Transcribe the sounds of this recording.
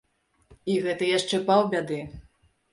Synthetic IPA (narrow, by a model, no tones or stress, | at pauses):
iɣɛt̪ɨjaʂt͡ʂɛpawbʲad̪ɨ